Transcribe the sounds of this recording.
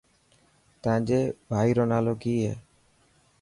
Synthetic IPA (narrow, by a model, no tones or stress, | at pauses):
t̪ãd͡ʒebʱajɾɔnaloɡie